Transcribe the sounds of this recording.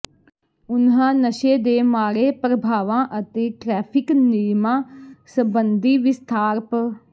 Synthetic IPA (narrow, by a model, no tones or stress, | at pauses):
ʊnɦãːnəʃeːd̪eːmaːɽeːpɾəbʱaːʋãːʔət̪eːʈɾɛːpʰɪknɪɾmãːsəbənd̪iːʋɪst̪ʰaːɾp